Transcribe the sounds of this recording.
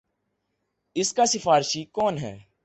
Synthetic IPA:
ɪskasɪfaːɾɪʃiːkɔːnɦɛ̰ː

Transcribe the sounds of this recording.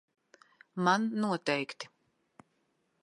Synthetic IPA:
manːuɔt̪ɛjkt̪i̥

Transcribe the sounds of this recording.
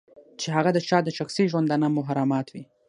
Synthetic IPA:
t͡ʃeɦaɣad̪ət͡ʃɑd̪əʃaxsiʒwand̪ɑnamʊɦaɾɑmɑt̪wi

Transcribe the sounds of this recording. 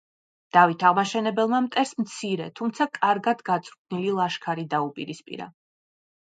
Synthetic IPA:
d̪̥avit̪ʰaʁmaʃɛnɛbɛlˠmamt̪ʼɛɾsmt̪sʰiɾɛ̰t̪ʰumt̪sʰakʼaɾɡad̪ɡat̪sʼɾkʰnililˠaʃkʰaɾid̪aupʼiɾispʼḭɾa̰

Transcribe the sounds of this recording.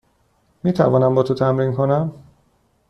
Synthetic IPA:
miːt̪ʰæ̰vɒːnæmbɒːt̪ʰot̪ʰæmɾiːnkʰonæm

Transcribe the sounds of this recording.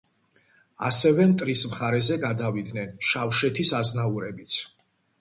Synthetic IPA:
a̰sɛvɛmt̪ʼɾismχaɾɛzɛɡad̪avid̪nɛnʃafʃɛt̪ʰisaznauɾɛbit̪sʰ

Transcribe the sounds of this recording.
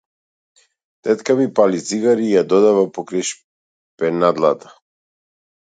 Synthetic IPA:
t̪ɛt̪kamipalit̪siɡaɾiːjad̪ɔd̪avapɔkɾajʃ | pɛnad̪lˠat̪ḁ

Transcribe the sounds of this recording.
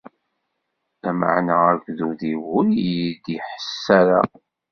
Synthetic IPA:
æmə̰ʕnaækʷðuðiwʊljjid̪iħə̥sːæɾa̰

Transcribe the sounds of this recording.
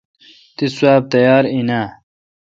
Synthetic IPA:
t̪iswaːb̚t̪ɐjaːɾinaː

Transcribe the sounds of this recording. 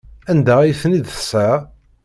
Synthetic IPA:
ænd̪ææjθnid̪θəsæ

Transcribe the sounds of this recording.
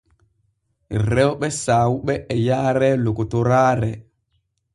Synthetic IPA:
ɾɛwɓɛsaːwuɓɛːjaːɾɛlokɔtɔɾaːɾɛ

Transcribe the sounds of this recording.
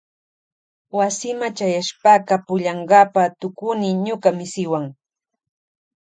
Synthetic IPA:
wasɪmat͡ʃajaʃpaːkapʊʎɑɴɢɑpat̪ʊkʊnɪɲʊkamɪsɪwaŋ

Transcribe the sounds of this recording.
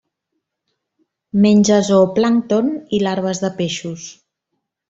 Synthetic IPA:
menʲd͡ʒəzoplaŋt̪onilaɾβ̞əzðəpeʃus

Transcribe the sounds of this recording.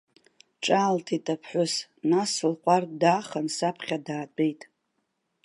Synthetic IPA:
ʈ͡ʂʼaːltʰitʼapʰħʷʊsnasɨlqʷʼardaːχənsapʰχʲadaːtʼejtʼ

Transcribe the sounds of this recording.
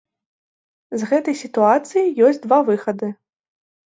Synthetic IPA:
zɣɛt̪ɐjsʲit̪uat̪sɨjijɔsʲtʲd̪vavɨxɐd̪ɨ

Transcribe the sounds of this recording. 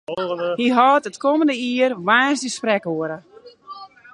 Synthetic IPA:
hiɦɔːtətkoməndəiərʋaːsdəsprɛkoəɾə

